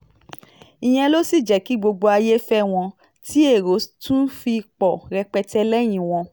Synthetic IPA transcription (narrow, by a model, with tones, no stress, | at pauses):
ĩ˨j̃ɛ̃˧lo˦si˦˨d͡ʒɛ˨˦ki˨˦ɡ͡bo˧ɡ͡bo˧a˧je˦fɛ˦w̃ɔ̃˧ | ti˦e˦˨ɾo˨˦tũ˦fi˧k͡pɔ˨ɾɛ˧k͡pɛ˧tɛ˦lɛ˦j̃ĩ˨w̃ɔ̃˧